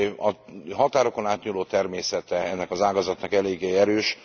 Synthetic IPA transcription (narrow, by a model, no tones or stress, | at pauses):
ɒɦɒt̪aːɾo̞ko̞naːt̪ɲuloːt̪ɛrmeːsɛt̪ɛɛnːɛkɒzaːɡɒzɒt̪nɒkɛleːɡːeːɛɾøːʃ